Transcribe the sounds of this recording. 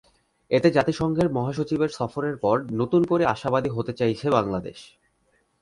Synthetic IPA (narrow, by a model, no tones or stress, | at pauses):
et̪ed͡ʑat̪iʃɔŋɡʱeɾmɔɦaʃ̬ot͡ɕibeɾsɔfoɾeɾpɔɾnot̪unkoɾeaʃabad̪iɦot̪et͡ɕajt͡ɕʰeβbaŋlad̪ḛʃ